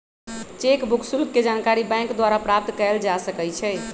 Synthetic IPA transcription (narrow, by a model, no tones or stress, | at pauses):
t͡ʃekbʱuksulɡ̚ked͡ʒankaɾibɛ̃ŋkd̪waɾapɾap̚t̪kəld͡ʒasəkɛjt͡ʃʰɛ